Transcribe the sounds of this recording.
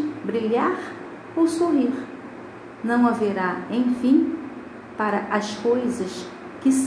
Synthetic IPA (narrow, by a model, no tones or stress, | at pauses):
bɾiʎaɾ | owsoɦiɾ | nɐ̃w̃aveɾaẽj̃fĩ | paɾɐʔɐskojzɐs | kɪs